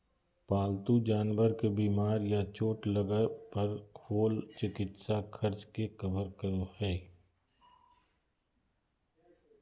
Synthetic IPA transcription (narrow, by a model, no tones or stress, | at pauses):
paːlt̪ũd͡ʒaːnwəɾkebiːmaːɾjat͡ʃoːʈləɡəpəɾhʰoːlt͡ʃɪkɪt̪sakʰəɾt͡ʃkekəbəɾkəɾohɛː